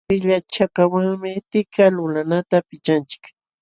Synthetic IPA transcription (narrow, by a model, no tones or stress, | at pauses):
pɪʎat͡ʃakawaŋmɪt̪ɪkalʊlanat̪apɪt͡ʃant͡ʃɪ̥k